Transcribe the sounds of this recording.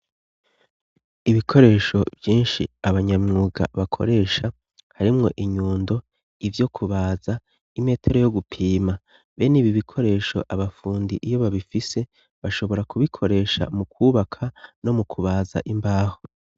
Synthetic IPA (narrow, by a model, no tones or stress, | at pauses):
iβikʰo̞ɾe̞ːʃo̞vjiːnʃḭaβaɲamŋuːɡa̰βakʰo̞̰ɾe̞ːʃa | haɾimŋo̞ʔiɲuːndo̞ | ivjo̞kʰuβaːza | ime̞ːtʰe̞ɾo̞joɡupʰiːma | βe̞niβiβikʰo̞ɾe̞ːʃo̞̰ʔaβafuːndiʔijo̞βaβifise̞ | βaʃo̞βo̞ɾakuβikʰo̞ɾe̞ːʃa̰mukʰuːβakʰano̞mukʰuβaːza̰ʔimbaːho̞